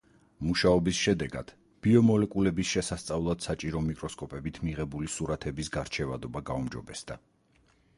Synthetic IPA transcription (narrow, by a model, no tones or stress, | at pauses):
muʃaɔbisʃɛd̪ɛɡa̰d̪̥ | b̥iɔmɔlɛkʼulɛbisʃɛsast̪sʼavlˠad̪̥sat͡ʃʼiɾɔmikʼɾɔskʼɔpʼɛbit̪ʰmiʁɛbulisuɾat̪ʰɛbisɡaɾt͡ʃʰɛvad̪ɔbaɡaumd͡ʒɔ̰bɛsd̪̥a